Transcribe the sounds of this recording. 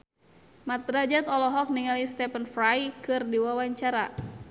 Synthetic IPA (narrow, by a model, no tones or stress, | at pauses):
mat̪ɾad͡ʒɛt̪ɔlɔɦɔk̚niŋalist̪ɛpənfɾajkɨrdiwawaɲt͡ʃaɾa